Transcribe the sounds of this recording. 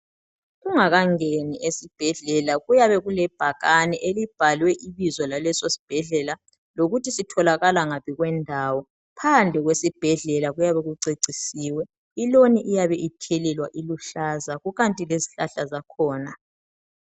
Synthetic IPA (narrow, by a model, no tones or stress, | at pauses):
ɣuŋaɣaŋeniʔesib̥ʱɛɮɛlaɣujaβɛɣulɛb̥ʱaɣanɛʔelib̥ʱalwɛʔiβizwɔlalɛsosi̥b̥ʱɛɮɛla | loɣutʰisitʰɔlaɣalaŋaβiɣwɛndʱaːwɔ | pʰand͡ɮʱɛɣwesib̥ʱɛɮɛlaɣujaβɛɣuǀeǀʱisiːwɛ | iloniʔijaβɛʔitʰɛlɛlwaʔiluɬazaɣuɣantʼileziɬaɬazakʰɔːna